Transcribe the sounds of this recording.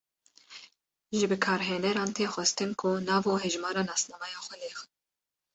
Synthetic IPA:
ʒɪbɨkʰɑːɾɦeːnɛɾɑːnt̪ʰeːxʷɛst̪ɨnkʰʊnɑːvoːɦɛʒmɑːɾɑːnɑːsnɑːmɑjɑːxʷɛleːxɨn

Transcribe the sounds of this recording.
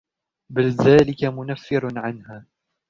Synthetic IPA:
bɪlðaːlɪkamʊnafːɪɾnʕanhaː

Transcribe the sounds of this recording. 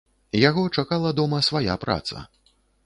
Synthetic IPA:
jaɣɔt͡ʂakalˠɐd̪ɔmɐsvaja̰pɾa̰t̪sɐ̰

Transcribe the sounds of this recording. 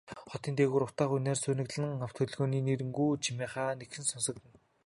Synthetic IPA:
χɔt̪iːnt̪ʰeːɣuːɾʊt̪aːχuneːrsuːnɘ̆kɮɘ̆ŋaw̥t̪ʰɵ̆ɮɣoːniːneɾɘ̆ŋɡujt͡ɕʰimeːχaːnekxɘ̆nsɔnsɞ̆k̚t̪ɘ̆n

